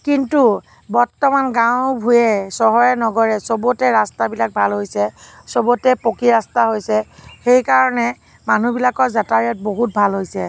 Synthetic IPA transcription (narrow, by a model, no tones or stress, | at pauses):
kintu | bɔɹtɔmanɡãʊ̃bʱujɛsɔɦɔjɛnɔɡɔɹɛsobotɛɹastabilak̚bʱalɦojsɛ | sobotɛpokiɹastaɦojsɛxejkaɹɔnɛ | manubilakɔɹzataɹijɔt̚boɦut̚bʱalɦojsɛ